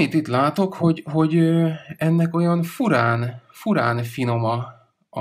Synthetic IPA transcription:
it̪it̪laːt̪o̞kho̞ɟɦo̞ɟɛnːɛko̞jɒnfuɾaːnfuɾa̰ːnfino̞mɒ

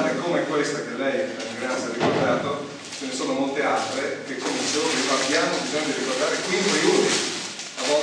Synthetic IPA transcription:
ɾekomɛkːwest̪ak̟elːɛjaɡasarikord̪aːt̪o | t͡ʃenesoːnomolt̪ealt̪ɾekekʰːomed̪it͡ʃeːvolifapːjaːmobizoɲːad̪irikord̪aːɾekwiŋkɾiut̪i | avːɔ

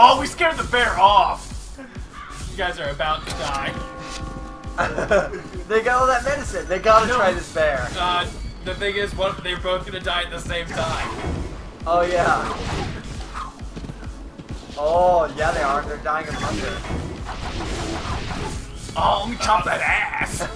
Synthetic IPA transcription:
oʊwiskɛɹd̪̚ðəbɛɹɔf | jʉɡaɪzə˞ɨbaʊtʰɨdaɪ | ðeɪɡɑɾlˠðɨt̚mɛɾɨsɨ̃nðeɪɡɑɨtʰɹ̥aɪðɪsb̥ɛɹʌðɨθɪ̃ŋɪzwʌt̪ðeɪboʊθɡ̥ʌnɨdaɪɨt̪̚ðɨsẽɪ̃mtʰãɪ̃m | oʊjæ | ojæðeɪə˞ðə˞daɪɪ̃ŋɨbʌ̃ndə˞ | oʊwitʰɑðɨɾæs

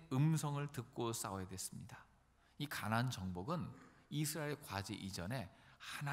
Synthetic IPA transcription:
ɯmsʰʌŋɯɭtɯk̚k͈os͈aojedwes͈ɯmɲida | ikanant͡ɕʌŋboɡɯnisʰɯɾaeɭkwad͡ʑḛʔid͡ʑʌne̞han

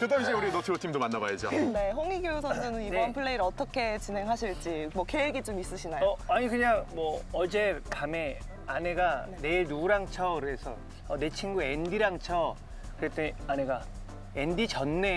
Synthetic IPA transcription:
kɯdaŋɕʰiuɾinotʰibotʰimdomanːabajed͡ʑone̞ɸoŋiɡjosʰʌnd͡ʑʌnɯnibʌnpʰɯɭːeiɾʌt͈ʌkʰe̞t͡ɕine̞ŋɦaɕʰiɭt͡ɕ͈imwʌkeweɡit͡ɕomis͈ɯɕʰinajʌaɲikɯɲaŋmwʌʌd͡ʑe̞kame̞ | ane̞ɡane̞iɭnuɾaŋt͡ɕʰʌkɯɾe̞sʰʌ̰ | ʌne̞t͡ɕʰinɡuendiɾaŋt͡ɕʰʌ | kɯɾet͈eane̞ɡa | endit͡ɕʌnːe̞

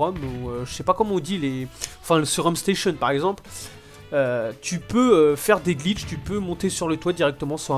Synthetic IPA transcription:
ɔmuøʒəsɛpakɔmɑ̃ɔ̃d̪ileɑ̃fɛ̃ləsyʁɔmst̪eʃjɔnpaʁɛɡzɑ̃pl | øt̪ypøøfɛʁd̪eɡlit͡ʃt̪ypømɔ̃t̪esyʁlət̪wad̪iʁɛk̚t̪əmɑ̃syʁ

